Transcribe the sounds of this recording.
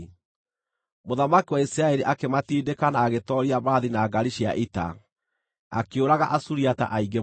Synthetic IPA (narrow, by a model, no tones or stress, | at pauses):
moðamakiwaisiɾaɛɾiʔakematiːdekanaːɣetɔɾiaβaːðinaːɡaɾiʃia̰ʔita̰ | a̰keoɾaɣaʔasuɾiata̰ʔaiɡe